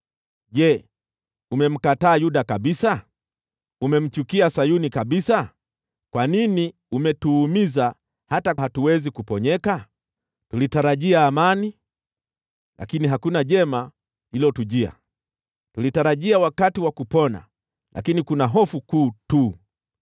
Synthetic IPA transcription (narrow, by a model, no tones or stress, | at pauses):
ʄɛ | umɛm̩kataːjuɗakaɓisa | umɛm̩t͡ʃukiasajunikaɓisa | kwanini | umɛtuːmiza | hatahatuwɛzikupɔɲɛka | tulitaɾaʄiaːmani | lʔa̰kiniɦakunaʄɛma | hilɔtuʄia̰ | tulitaɾaʄiawakatiwakupɔna̰ | lʔa̰kinikunaɦɔfukuːtuː